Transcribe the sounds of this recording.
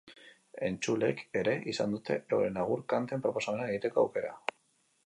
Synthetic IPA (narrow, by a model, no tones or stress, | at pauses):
e̞nt͡ʃule̞ke̞ɾe̞ʔisa̰nd̪ut̪e̞̰ḛwɾenaɣ̞uɾkant̪e̞mpɾo̞po̞samenaeɣ̞it̪e̞koa̰wke̞ɾa̰